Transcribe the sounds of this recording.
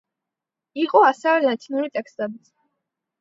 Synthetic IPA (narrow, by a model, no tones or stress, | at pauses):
iqʼɔasɛvɛlat̪ʼʰinuɾit̪ʼɛkst̪ʼɛbit̪sʰ